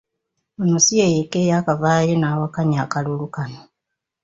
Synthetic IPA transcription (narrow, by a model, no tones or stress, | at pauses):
onusiejekejaːkavaːjenaːwakaɲiakalulukano